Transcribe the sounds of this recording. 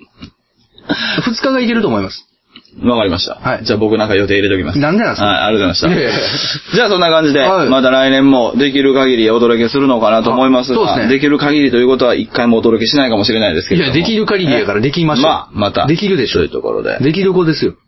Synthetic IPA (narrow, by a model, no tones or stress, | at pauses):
ɸɯ̟t͡sɨ̥kaɡaike̞ɾɯt̪oːmoimasɨ̥ | βakaɾʲimaɕi̥t̪a̰haid͡ʑaːbo̞kɯ̟nãŋkajo̞t̪e̞iɾe̞t̪o̞kʲima̰snãnd̪enãnshaḭaɾɯzeanaɕi̥t̪ | d͡ʑaːsonːakãɲ̟d͡ʑid̪e̞mat̪aɾainẽ̞mːo̞d̪e̞k̬ʲiɾɯ̟kaɡʲiɾʲio̞d̪o̞ɾo̞ke̞sɨɾɯ̟no̞kanat̪oːmo̞imasɨsoːeaned̪e̞k̬ʲiɾɯ̟kaɡʲiɾʲit̪o̞jɯ̟ːko̞t̪o̞aʔikːaimo̞ːd̪oo̞kʲe̞ɕinaikamo̞ɕiɾe̞naid̪e̞sɨ̥ked̪ekʲiɾɯ̟kaɡʲiɾʲiakaɾad̪e̞kʲimaɕmamat̪a̰d̪ekʲiɾɯ̟d̪eɕoojɯ̟t̪o̞̰ko̞̰ɾo̰d̪ḛd̪e̞k̬ʲiɾɯ̟kod̪e̞sɨjo